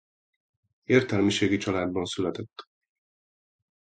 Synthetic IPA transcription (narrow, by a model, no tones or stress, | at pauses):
eːrt̪ɛlmiʃeːɡit͡ʃɒlaːd̪bɒnsylɛt̪ɛt̪ː